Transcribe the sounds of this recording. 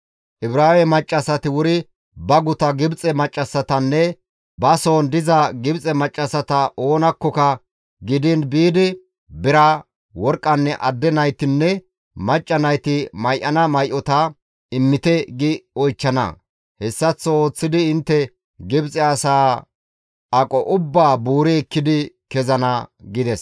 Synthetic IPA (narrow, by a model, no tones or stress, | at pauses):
ʔɪbɾaːwɛmɐt͡ʃʼːɐsɐt̪ɪwʊɾɪ | bɐɡʊt̪ɐɡɪbt͡sʼɛmɐt͡ʃʼːɐsɐt̪ɐnːɛ | bɐso̞ːnd̪ɪzɐɡɪbt͡sʼɛmɐt͡ʃʼːɐsɐt̪ɐʔo̞ːnɐkːɔkɐ | ɡɪd̪ɪnbiːd̪ɪ | bɪɾɐ | wɔɾkʼːɐnːɛʔɐd̪ːɛnɐjt̪ɪnːɛ | mɐt͡ʃʼːɐnɐjt̪ɪmɐjʔɐnɐmɐjʔɔt̪ɐ | ɪmːɪt̪ɛɡɪɔjt͡ʃːɐnɐ̰ | hɛsːɐt͡sːɔo̞ːt͡sːɪd̪ɪɪnt̪ːɛ | ɡɪbt͡sʼɛɐsaː | ʔɐkʼɔʔʊbːaːbuːɾɛɛkːɪd̪ɪ | kɛzɐnɐɡɪd̪ɛs